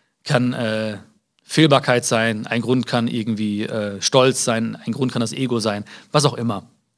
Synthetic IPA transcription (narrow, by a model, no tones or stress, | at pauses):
kʰanʔɛː | feːlbaːɐkʰaɪtz̥aɪnʔa̰ɪnɡʁʊntkʰanʔɪ̰ɐɡŋ̩tv̥iːʔɛːʃtɔlt͡sz̥aɪnaɪnɡʁʊntkʰandasʔeːɡozaɪnvas̬aʊxʔɪmɐ